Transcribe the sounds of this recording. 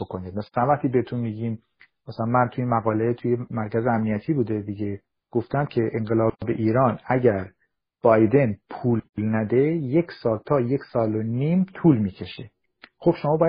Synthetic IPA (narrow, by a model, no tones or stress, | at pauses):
okoniːd̪̚mæslænvæχt̪iːbehet̪ʰunmiːɟiːm | mæsælænmænt̪ʰuinmæɣɒːle̞t̪ʰujemæɾcʰæzeæmnijæt̪ʰiːbuːd̪ed̪iɟe | ɡ̥oft̪æmcʰe̞ʔeŋɢelɒːbe̞̰ʔiːɾɒːnæɟæɾ | b̥ɒːjd̪e̞npʰuːllnæd̪e̞jecʰsɒːlt̪ʰɒːje̞cʰsɒːloniːmt̪ʰuːlmiːcʰe̞ʃe | χo̞b̥ʃo̞mɒːbɒːjæ